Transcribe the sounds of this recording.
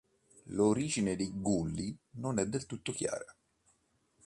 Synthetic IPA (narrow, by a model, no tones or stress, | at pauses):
loɾiːd͡ʒined̪ejɡulːinonɛd̪ːelt̪ut̪ːokja̰ːɾa